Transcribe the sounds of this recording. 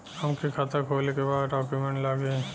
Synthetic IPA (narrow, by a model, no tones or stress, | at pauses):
əmkikʰat̪akʰoːlekebaːɖɔːkjumẽɳʈlaɡeː